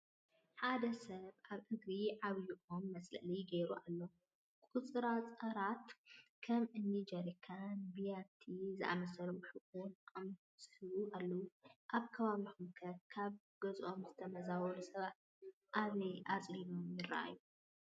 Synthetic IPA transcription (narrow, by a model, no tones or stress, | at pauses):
ħad̪ɐsɐβʔaβʔɨɡɾiʕaβjuʔomːɐslɐ̰ʔlɐjɡɐɾuʔalːo | kʼut͡sʼɨɾat͡sʼɐɾat̪kʰɐmɨnːid͡ʒɐɾkʰanbijat̪ʰizɨʔa̰mɐsɐloħɨkʼuʔʼam | sʼɨβuʔalːɐwuʔaβkʰɐβaβixumkʰɐkʰaβ | ɡɐzʔo̞mzɨt̪ʰɐmɐzawɔlusɐβat̪ | ʔaβɐjʔat͡sʼlinomjɪɾːa̰ʔa̰ju